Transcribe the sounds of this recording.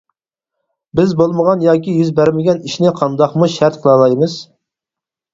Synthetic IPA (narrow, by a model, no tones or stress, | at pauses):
bɪzbolˠməʁɑnjɑːkʲijyzbæɾmɪɡʲɛniʃnɪqʰɑnd̪ɑχmuʃæɾt̪̚qʰəlˠɑlˠɑjmɨz̥